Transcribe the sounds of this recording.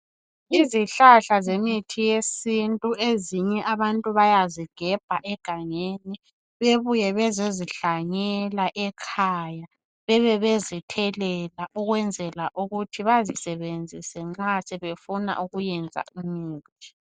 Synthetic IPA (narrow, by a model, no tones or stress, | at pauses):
iziɬaɬazemitʰijesintʼueziɲɛʔaβantʼuβajaziɡ̥ʱɛb̥ʱaʔɛɡ̥ʱaŋeni | βeβujɛβɛzeziɬaɲɛlaʔɛkʰaja | βɛβɛβezitʰɛlɛlaʔuɣwɛnd͡zʱɛlaʔuɣutʰiβazisɛβend͡zʱisɛŋ͡ǁasɛβefuna̰ʔuɣujɛnd͡zʱa̰ʔumiːtʰi̥